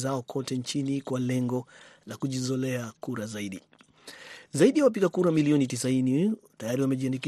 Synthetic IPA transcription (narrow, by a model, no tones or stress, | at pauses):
zaɔkʰɔtɛnt͡ʃinikwalɛŋɡɔlakuʄizɔlɛakuɾazaiɗi | zaiɗijawap̬iɠakuɾamiliɔnitisainitajaɾiwamɛʄianiki